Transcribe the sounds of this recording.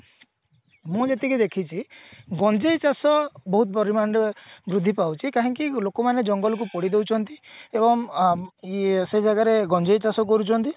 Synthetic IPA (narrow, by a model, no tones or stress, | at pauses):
mũd͡ʒet̪ikid̪ekʰit͡ʃʰiɡɔnd͡ʒejt͡ʃasɔbɔɦut̪̚pɔɾimaɳɖbɾud̪ʱːipawt͡ʃʰikaɦɔ̃ŋkilokɔmaned͡ʒɔŋɡɔlɔk̬upɔɽid̪ewt͡ʃʰɔnt̪iebɔŋ | sed͡ʒaɡaɾeɡɔnd͡ʒejt͡ʃasɔk̬ɔɾut͡ʃʰɔnt̪i